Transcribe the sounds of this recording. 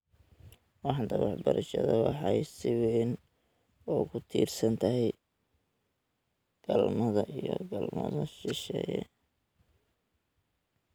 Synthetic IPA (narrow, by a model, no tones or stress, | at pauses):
wɑħnt̪ʰɐwɑħbɐɾɐʃɐðɐwɑħɑjsɪwɛn | ɔːkʰʊt̪ʰiːrsɐnt̪ʰɐɦɛj | ɡ̥ɐlmɐðɐʔijɔɡɐlmɐðɐʃɪʃɛːjɛ